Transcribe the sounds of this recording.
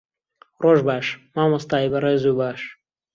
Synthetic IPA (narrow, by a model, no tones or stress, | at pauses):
roʒbaːʃmaːmɐst̪aːjbɐɾeːzubaːʃ